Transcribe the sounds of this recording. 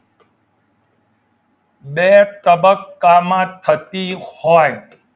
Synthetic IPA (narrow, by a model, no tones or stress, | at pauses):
bet̪əbəkːamãːt̪ʰət̪ihɔːj